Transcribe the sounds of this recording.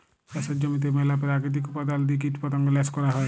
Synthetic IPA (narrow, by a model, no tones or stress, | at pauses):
ɐsəd͡ʒɐmit̪emɛlapɾaːkit̪̬ikpɐd̪ald̪ik̬iʈpɐt̪ə̃ŋɡlɛskɔɾaɦɛ